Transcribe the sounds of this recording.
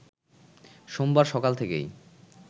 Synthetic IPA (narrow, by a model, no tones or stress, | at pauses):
ʃombaɾʃɔkalt̪ʰekḛj